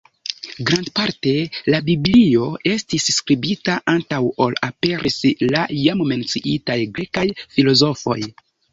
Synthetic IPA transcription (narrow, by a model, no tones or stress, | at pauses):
ɡɾandpaɾte̞labiblio̞e̞stisːkɾibitaʔantawo̞lape̞ɾʔislajamme̞nt͡siʔitajɡɾe̞kajfilo̞zo̞fo̞̰j